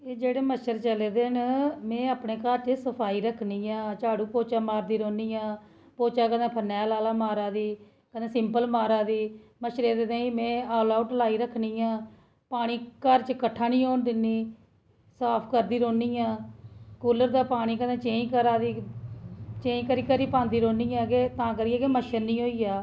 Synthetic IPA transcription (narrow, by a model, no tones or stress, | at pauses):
eːd͡ʒeːɽeːməʃəɾt͡ʃəleːd̪eːnmẽːaːpneːkəɾt͡ʃəsəpʰaːiːɾəkʰniːãːt͡ʃaːɽuːpoːt͡ʃaːmaːɾd̪iːɾoːniːãː | poːt͡ʃaːkənẽːpʰənɛːlaːlaːmaːɾaːd̪iː | kəd̪ẽːsɪmpəlmaːɾaːd̪iːməʃɾeːd̪eːt̪ãːiːmɛ̃ːaːlaːʊʈlaːiːɾəkʰniːãː | paːɽ̃iːkəɾt͡ʃkəʈʰːaːnĩːoːnd̪ɪnːiː | saːpʰkəɾd̪iːɾoːniːãːkuːləɾd̪aːpaːɽ̃iːkənẽːt͡ʃẽːĩːkəɾaːd̪iː | t͡ʃẽːĩːkəɾiːkəɾiːpãːnd̪iːɾoːniːãːkeːt̪ãːkəɾiːaːkeːməʃəɾnĩːɦoːiːaː